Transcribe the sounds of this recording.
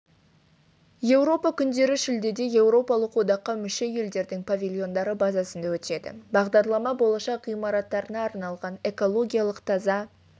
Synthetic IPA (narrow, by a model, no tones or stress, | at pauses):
je̞wɾo̞pɑkʲʰʏnd̪e̞ɾɪʃɪld̪e̞d̪e̞je̞wɾo̞pɑlˠəqwod̪ɑqːɑmʏʃe̞je̞ld̪e̞ɾd̪ɪŋpʰavʲilʲˠjo̞nd̪ɑɾəbɑzɑsənd̪ɑwɵt̪e̞d̪ɪ̰bɑʁd̪ɑɾd̪lˠɑmɑbo̞lˠɑʃɑqʁijmɑɾɑt̪ːɑɾənɑːɾnɑlˠʁɑne̞ko̞lˠo̞ɡʲijalˠəqt̪ʰɑzɑ